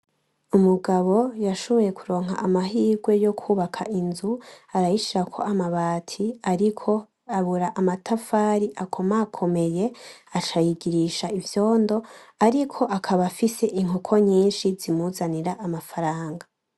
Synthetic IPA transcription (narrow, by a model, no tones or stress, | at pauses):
umuɡaβo̞jaʃo̞βo̞je̞kʰuɾo̞ːŋ̥ɦa̰ʔamaɦiːɡwe̞jo̞kʰuːβakʰaʔinzuaɾajiʃiɾakʰo̞̰amaβaːtʰiaɾikʰo̞ | aβuɾaʔamatʰafaːɾiʔakʰo̞makʰo̞me̞je̞at͡ʃajiɡiɾiʃaivjo̞ːndo̞aɾikʰo̞ʔakʰaβafise̞ʔiŋukʰo̞ɲiːnʃizimuzaniɾaʔamafaɾaːŋɡa